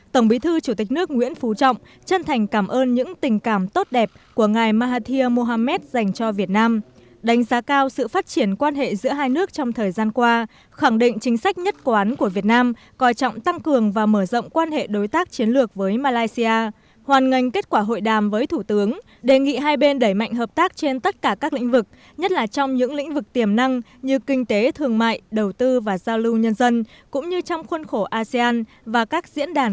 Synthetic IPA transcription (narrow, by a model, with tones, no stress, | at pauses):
t̪ə˧˩ŋ͡mɓi˨˦t̪ʰɨ˧t͡ɕu˧˩t̪ï˨˩k̟̚nɨ˦˥ək̚ŋwḭ˧˥ənfu˨˩t͡ɕɔ̰˧˨wŋ͡m | t͡ɕə˧nt̪ʰa˨˩jŋ̟kaː˧˩mʔəː˧nɲɨ̰˧˥ŋt̪ï˨˩ŋ̟kaː˧˩mt̪o˦˥t̚ɗɛ˨˩p̚ku˧˩əŋaː˨˩jmaː˧ɦaː˧t̪ʰi˧əmo˧ɦaː˧mɛ˦˥t̚za˨˩jŋ̟t͡ɕɔ˧vi˨˩ət̚naː˧m | ɗa˨˦ŋ̟zaː˨˦kaː˧wsɨ̰˧˨faː˦˥t̚t͡ɕi˧˩ənkwaː˧nɦḛ˧˨zɨ̰˧˥əɦaː˧jnɨ˦˥ək̚t͡ɕɔ˧wŋ͡mt̪ʰəː˨˩jzaː˧nkwaː˧ | xa˧˩ŋɗḭ˧˨ŋ̟t͡ɕï˨˦ŋ̟sa˦˥jk̟̚ɲə˦˥t̚kwaː˨˦nku˧˩əvi˨˩ət̚naː˧m | kɔ˨˩jt͡ɕɔ̰˧˨wŋ͡mt̪a˧ŋkɨ˨˩əŋvaː˨˩məː˧˩zə̰˧˨wŋ͡mkwaː˧nhḛ˧˨ɗo˨˦jt̪aː˦˥k̚t͡ɕi˨˦ənlɨ˨˩ək̚vəː˨˦jmaː˧laː˧jsi˧aː˧ | hwaː˨˩nŋə˨˩jŋ̟ke˦˥t̚kwaː˧˩ɦo̰˧˨jɗaː˨˩mvəː˨˦jt̪ʰu˧˩t̪ɨ˨˦əŋ | ɗe˨˩ŋḭ˧˨ɦaː˧jɓe˧nɗə˧˩jma̰˧˨jŋ̟ɦəː˨˩p̚t̪aː˦˥k̚t͡ɕe˧nt̪ə˦˥t̚kaː˧˩kaː˦˥k̚lḭ˧˥ŋ̟vɨ˨˩k̚ | ɲə˦˥t̚laː˨˩t͡ɕɔ˧wŋ͡mɲɨ̰˧˥ŋlḭ̈˧˥ŋ̟vɨ˨˩k̚t̪i˧˩əmna˧ŋ | ɲɨ˧kï˧ŋ̟t̪e˨˦t̪ʰɨ˨˩əŋma̰ː˧˨jɗə˨˩wt̪ɨ˧vaː˨˩zaː˧wlɨ˧wɲə˧nzə˧nkʊ̰˧˥ŋ͡mɲɨ˧t͡ɕɔ˧wŋ͡mxwə˧nxo˧˩ʔaː˧si˧aː˧n | vaː˨˩kaː˦˥k̚zḭ˧˥ənɗaː˨˩n